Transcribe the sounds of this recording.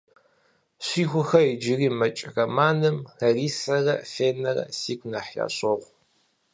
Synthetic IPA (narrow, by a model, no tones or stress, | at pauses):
ɕiːxʷʊxɐid͡ʒɪriːmɐt͡ʃʼrɐmaːnɨmxɐriːsɐrɐfeːnɐrɐ̰siːkʷʰʼnɐħja̰ːɕʼɐʁʷ